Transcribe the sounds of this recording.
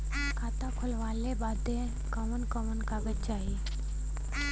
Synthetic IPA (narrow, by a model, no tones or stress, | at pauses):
kʰaːt̪akʰʊlʋaːlebaːd̪ẽ | kɔʋənkɔʋənkabətːʃaːɦiː